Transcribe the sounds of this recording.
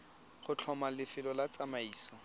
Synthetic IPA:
χʊt͡ɬʰɔmalɪfɪlɔlat͡samaiːsɔ

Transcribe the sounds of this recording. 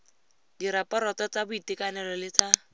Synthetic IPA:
diɾapʼɔɾɔt͡sɔt͡sabʊitʼɪkanɛlɔlɪt͡sʰa

